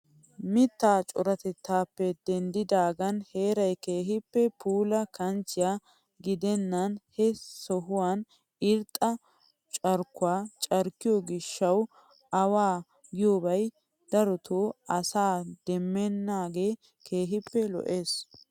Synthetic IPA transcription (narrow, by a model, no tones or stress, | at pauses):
mɪt̪ːaːt͡ʃʼɔɾɐt̪ɛt̪ːaːpːɛd̪̥ɛnd̪ɪd̪aːɡɐnhe̞ːɾɐjke̞ːɦɪpːɛpuːlɐkɐnt͡ʃɪjaː | ɡɪd̪ɛnːɐnhɛsɔɦʊwaːn | ɪɾt̪ʼːɐ | t͡ʃʼɐɾkʊaːt͡ʃʼɐɾkːɪjoɡɪʃːɐw | ɐwaː | ɡɪjoːbɐj | d̪̥ɐɾɔt̪ʰoːɐsaːd̪̥ɛmːɛnːaːɡe̞ː | kʰe̞ːɦɪpːɛlɔ̰ʔeːs